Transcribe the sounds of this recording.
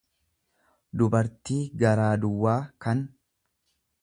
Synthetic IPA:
d̪ʊbɐɾt̪iːɡɐɾaːd̪ʊwːaːkɐn

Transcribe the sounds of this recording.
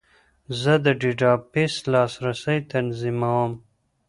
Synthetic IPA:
zəd̪əɖiɖɑːpeslɑːsɾasəjt̪anzimawəm

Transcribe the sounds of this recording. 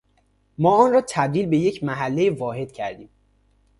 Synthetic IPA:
mɒːɒːnrɒːt̪ʰæb̚d̪iːlbe̞je̞cʰmæɦælːejevɒːɦe̞d̪̥̚cʰæɾd̪iːm

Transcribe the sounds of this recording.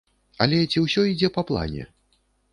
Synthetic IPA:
ɐlʲɛt͡sʲiwsʲɔid͡zʲɛpɐplˠa̰nʲɛ̰

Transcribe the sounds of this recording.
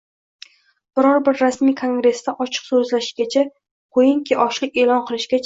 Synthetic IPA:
b̥ɪɾɒɾbɪɾːasmijkʰo̞ŋɡɾe̞st̪aʔɒt͡ʃʰɨ̥qsɵzlaʃɪɡʲat͡ʃʰa | qʰojɪŋkʲʰiʔɒʃlɪkʲe̞lɒnqʰɨlˠɪʃɡʲat͡ʃʰ

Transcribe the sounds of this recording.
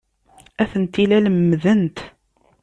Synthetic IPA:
æθənt̪ilæləmːðənt̪

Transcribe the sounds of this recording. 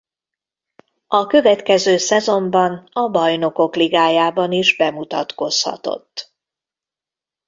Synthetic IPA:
ɒkø̞vɛt̪kɛzøːsɛzo̞mbɒnɒbɒjno̞ko̞kliɡaːjaːbɒniʒbɛmut̪ɒt̪ko̞shɒ̰t̪o̞̰t̪ː

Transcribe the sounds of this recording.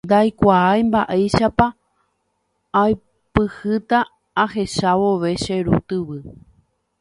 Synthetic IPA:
nd̪ajkʷaajmbaʔajʃapa | j | pɨhɨt̪aː | he̞ʃaʋo̞ʋe̞ʃe̞ɾṵt̪ɨʋɨ

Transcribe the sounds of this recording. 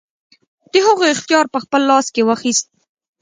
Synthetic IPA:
d̪̥əhʊɣoɪxt̪jɑɾpəxpəlːɑskewəxist̪̚

